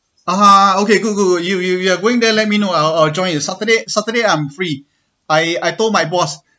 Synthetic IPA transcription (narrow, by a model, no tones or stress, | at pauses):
aaokeɡuɡujujujuaɡoɪ̃ŋdɛlɛt̚minoaɪlaɪld͡ʒɔ̃ɪ̃njusatədesatədeãɪ̃mfɹi | ajajtomajbɔs